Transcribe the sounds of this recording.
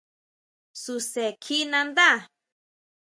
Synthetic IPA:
su˧se˨kʰi˦nã˧nd̪a˦˨

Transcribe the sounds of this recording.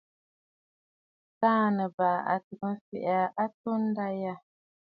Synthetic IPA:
taː˦˨nə˨baː˨a̰˨tɨ˨ʔɨ˦m˦fɛ̰˨ʔa˨ʔa˦to˦n̩˦da˦ja˦

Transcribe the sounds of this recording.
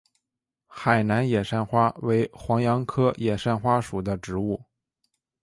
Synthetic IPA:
xa˨˩ɪna˧˥njɛ˨˩ʂa˥˩nxwa˥we˧˥ɪxwɑ˧˥ŋjɑ˧˥ŋkʰɤ˥jɛ˨˩ʂa˥˩˧nxwa˥ʂu˨˩d̪ə˦ʈ͡ʂɻ̩˧˥u˥˩

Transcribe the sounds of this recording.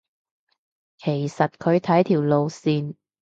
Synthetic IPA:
kʰe˨˩jsɐ˨t̚kʰɵ˨˧ɥt̪ʰɐ˨˥jt̪ʰiː˨˩wlo˧wsiː˨˧n

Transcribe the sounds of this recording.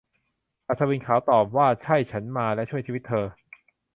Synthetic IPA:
ʔa˨˩t̪sʰaː˧wiː˧nkʰaː˩˦wt̪ɔː˨˩p̚waː˥˩t͡ɕʰa˥˩jt͡ɕʰa˦˥nmaː˧lɛ˦˥ʔt͡ɕʰu˥˩ət͡ɕʰiː˧˦˥t̪ʰːɤː˧

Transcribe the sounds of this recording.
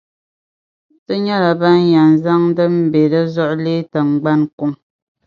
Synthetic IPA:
tə˦ɲa˦la˨ba˦ja˨n˨za˦ŋ˦də˦m̩˦be˨lə˦zɔ˦ʔleː˦ta˨ŋ̩˨ɡ͡ba˦nku˦ŋ

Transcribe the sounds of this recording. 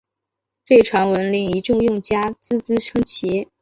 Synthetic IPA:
twe˥˩ɪʈ͡ʂʰwa˧˥nwə˧˥nli˧˥ŋi˧˥ʈ͡ʂʊ˥˧ŋjʊ˥˩ŋt͡ɕja˥t͡sɹ̩˥t͡sɹ̩˥ʈ͡ʂʰɤ˥ŋt͡ɕʰi˧˥

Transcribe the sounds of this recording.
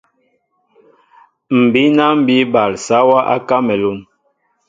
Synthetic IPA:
m̩˨bi˨˦na˦m̩˦˨bi˦ba˨lsa˦wa˦ʔa̰˦ka˦mɛ˨lu˦˨n

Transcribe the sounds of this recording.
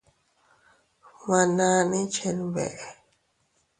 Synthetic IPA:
ma˨na˧ni˦t͡ʃʰɛ˨nbɛ̰˨ʔ

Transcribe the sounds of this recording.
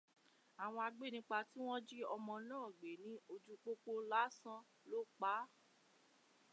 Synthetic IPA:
a˨w̃ɔ̃˧a˧ɡ͡be˦˨nĩ˦k͡pa˧ti˦w̃ɔ̃˦d͡ʒi˦ɔ˧mɔ̃˧nãː˦˨ɡ͡be˨nĩ˨˦o˧d͡ʒu˧k͡po˦k͡po˧˦la˦sã˦ | lo˦k͡pa˨˦

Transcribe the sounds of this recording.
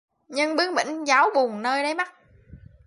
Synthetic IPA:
ɲɨ˧ŋɓɨ˨˦˥əŋɓḭ˧˩ŋ̟zaː˨˦wɓu˨˩əŋnəː˧jɗə˨˦jma˦˥t̚

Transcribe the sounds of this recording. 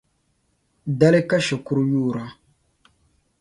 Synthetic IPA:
da˦le˦ka˦ʃe˨ku˦ɾjuː˦˨ɾa˨˦

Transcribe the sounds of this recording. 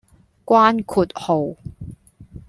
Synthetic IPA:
kʷwaː˥nkʰuː˨˩t̚ho˨w

